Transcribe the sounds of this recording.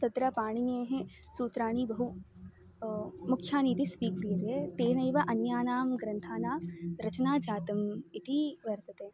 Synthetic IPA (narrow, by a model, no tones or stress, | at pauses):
sɐt̪ɾapaːɽ̃ineːɦẽ | suːt̪ɾaːɽ̃ibɐɦu | mʊkʰjaːniːt̪ispiːkɾijɐt̪et̪eːnɐjʋɐʔɐnjaːnaːmɡɾɐ̃nt̪ʰaːnaːɾɐt͡ʃnaːd͡ʒaːt̪ɐmɪt̪ʰiʋɐɾt̪ɐt̪eː